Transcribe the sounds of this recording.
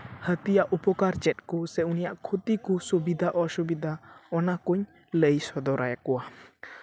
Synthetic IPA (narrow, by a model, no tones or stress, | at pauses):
hət̪ijaʔupɔkaɾt͡ʃɛt̪̚kɔsɛunijaʔkʰot̪ikusubid̪ʱaʔɔsubid̪aɔnakuɲ | ləjsɔd̪ɔɾajakɔwa